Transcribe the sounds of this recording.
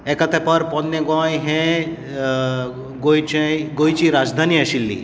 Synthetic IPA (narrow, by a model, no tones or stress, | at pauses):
ekɐt̪epɐɾpɔnneɡãɦẽ | ɡoit͡ʃeɡoːit͡ʃiɾaːd͡ʒd̪ʱaːniɐʃilːḭ